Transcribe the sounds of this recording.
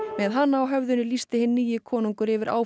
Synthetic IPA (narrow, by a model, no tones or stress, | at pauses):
mɛðɦanːaːwɦœvðʏnʏlist̪ɪhɪnːiːjɪkʰɔːnuŋkʏɾɪvɪɾʔa̰ːw